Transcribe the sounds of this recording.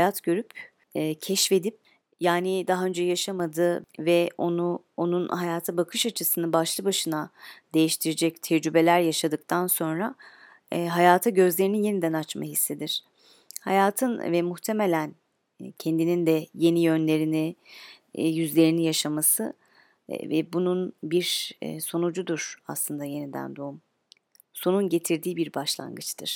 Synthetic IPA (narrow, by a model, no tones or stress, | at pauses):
hjat̪ɟø̞ɾypː | cʰɛʃfe̞d̪ip̚ | jaːnid̪aɦaø̞nd͡ʒɛjaʃamad̪ɯvɛonu | onunhajaːt̪ʰabakʰɯʃat͡ʃʰɯsɯnabaʃlˠɯbaʃɯnad̪̥e̞jiʃt̪ʰiɾed͡ʒɛct̪ʰɛd͡ʒd͡ʒybe̞lʲæɾjaʃad̪ɯk̚t̪ʰanso̞nɾa | ɦajaːt̪ʰaɟø̞zlʲe̞ɾinije̞nid̪ænat͡ʃmaɦisːe̞d̪iɾ̥ | hajaːt̪ʰɯnvɛmuxt̪ʰe̞me̞lʲæn | cʰend̪inind̪ɛje̞nijø̞nlʲe̞ɾini | jyzlʲe̞ɾinijaʃamasɯ̰ | vɛ̰bununbiɾ̰so̞nud͡ʒud̪uɾ̥aslˠɯnd̪aje̞nid̪æ̰nd̪oum | so̞nunɟe̞t̪ʰiɾd̪iːbiɾbaʃlˠa̰nɡɯt͡ʃt̪ʰɯɾ̥